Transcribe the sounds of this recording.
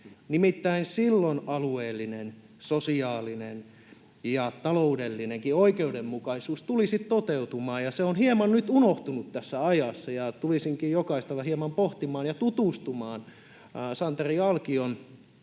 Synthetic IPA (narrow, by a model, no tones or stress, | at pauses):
nimit̪ːæinsilːonɑlueːlːinen | sosiɑːlinen | jɑt̪ɑloudelːineŋkioikeudemmukɑisuːst̪ulisit̪t̪ot̪eut̪umɑːjjɑseonhiemɑnnyt̪unoht̪unut̪t̪æsːæɑjɑsːɑjɑt̪ulisiŋkijjokɑist̪ɑʋɑhiemɑmpoht̪imɑːnjɑt̪ut̪uˑst̪umɑːn | sɑnt̪eriɑlkion